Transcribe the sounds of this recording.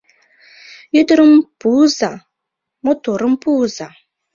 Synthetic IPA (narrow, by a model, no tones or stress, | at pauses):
jutɾəmpuza | motoɾəmpuza